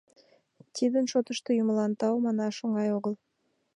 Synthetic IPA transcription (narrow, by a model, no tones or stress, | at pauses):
t̪ʲʰid̪ɪnʃot̪ə̆ʃt̪əjʊməlˠɑnt̪ɑwmɑnɑʃoɴɑjoʁəlˠ